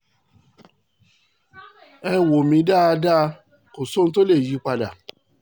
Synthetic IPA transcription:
ɛ˧wo˨mĩ˧˦da˦a˧da˦ | ko˨so˦n̩˧t̬o˦le˦˨ji˨˦k͡pa˧da˨

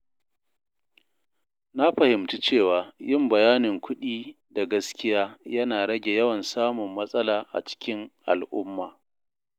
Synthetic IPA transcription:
na˦ɸɐ˨hɪ˨mtu˦t͡ʃeː˦˨waː˨jɪ˦mbɐ˨jaː˦nɪ˨ŋkʷʰʊ˦ɗiː˦ | da˨ɡɐ˦skʲɪ˦jaː˦jɐ˦naː˨ɽɐ˦ɡʲe˨jɐ˦wɐ˨nsaː˦mʊ˨mːɐ˦sʼɐ˦laː˨ʔa̰˨t͡ʃɪ̥˦kʲɪ˦ŋʔa̰˨lʔʊ˦mːaː˨

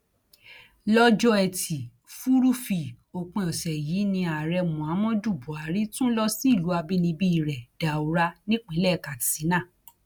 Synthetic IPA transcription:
lɔ˦d͡ʒɔ˦ɛ˨tʰi˨ | fu˦ɾu˦fi˨ | o˨k͡pẽ˧ɔ˨sɛ˨jiː˨˦nĩ˧a˨ɾɛ˧mũ˨a˨˦mɔ̃˦du˦˨bɔ˨a˨ɾi˨˦tũ˦lɔ˦si˦i˦˨lu˨˦a˧bi˦nĩ˧bi˦i˨ɾɛ˨da˨u˨ɾa˧nĩ˦k͡pĩ˨˦lɛ˦˨ka˨ti̥˨si˨˦nãː˦˨

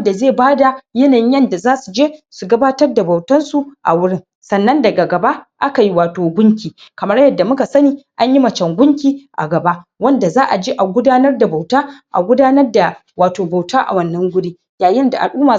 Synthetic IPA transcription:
da˨zeː˦˨baː˦da˨jɐ˦naː˨jɪ˦jɐ˦nda˨zaː˦su˨d͡ʒeː˦su˨ɡɐ˦baː˦tɐ˦rda˨ba˨wtɐ˦nsu˦ʔa̰˨wʊ˦ɽɪ˦ŋ | sɐ˨nːɐ˦ndɐ˨ɡa˨ɡɐ˨ba˦ʔʔa˦ka˨ji˦waː˨toː˨ɡʷʊ˦ŋkʲiː˨kɐ˨mɐ˦ɽjɐ˦dːa˨mʊ˦ka˨sɐ˦niː˦ʔa˦ɲji˦mɐ˨t͡ʃɐ˨ŋɡʷʊ˦ŋkʲiː˦ʔa̰˨ɡɐ˨ba˦wɐ˦nda˨zaː˦ʔa˨d͡ʒi˦ʔa˨ɡʷʊ˦daː˦nɐ˦rda˨ba˨wtaː˦ʔa̰˨ɡʷʊ˦daː˦nɐ˦rda˨ | waː˨toː˨ba˨wtaː˦ʔa̰˨wɐ˦nːɐ˦ŋɡʷʊ˦di˦ | jaː˨jɪ˦nda˨ʔa̰˨lʔuː˦maː˨

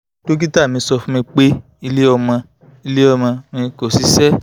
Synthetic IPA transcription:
to˦k̬i˦ta˦˨mĩ˧sɔ˧fũ˦mĩ˧k͡pe˦ | i˧le˦ɔ˧mã˧ | i˧le˦ɔ˧mã˧mĩ˧ko˨si˨˦sɛ˦

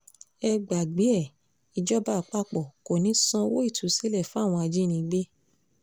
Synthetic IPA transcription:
ɛ˧ɡ͡ba˨ɡ͡bi˨˦ɛ˦˨ | i˧d͡ʒɔ˦ba˦˨k͡pa˦k͡pɔ˨ko˨nĩ˨˦sɔ̃˦˧wo˦i˦˨tʰu˨˦si˨˦lɛ˦˨fũ˦a˦˨w̃ɔ̃˧a˧d͡ʒi˦nĩ˧ɡ͡be˦

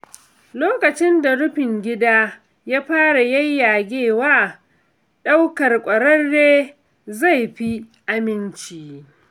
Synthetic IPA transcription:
loː˦kɐ˨t͡ʃɪ˦nda˨ɽʊ˦ɸɪ˨ŋɡʲɪ˦daː˦ | jaː˦ɸaː˦ɽa˨jɐ˦jːaː˨ɡʲeː˦˨waː˦˨ | ɗa˦wkɐ˨rkʷʼɐ˨ɽɐ˦rːeː˦ | za˦˨jɸi˦ | ʔa˦mɪ˦nt͡ʃiː˨

